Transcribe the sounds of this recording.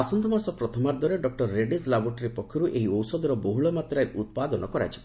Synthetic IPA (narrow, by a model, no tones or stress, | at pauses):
asɔnd̪ʰʱɔmasɔpɾɔt̪ʰɔmaɾd̪wɔɾeɖɔk̚ʈɔɾːeɖislabɔʈɾipɔkʰːɔɾuʔeɦiɔwsɔd̪ɔɾɔboɦuɭɔmat̪ɾajut̪̚pad̪ɔnɔkɔɾa̰t͡ʃʰi̥b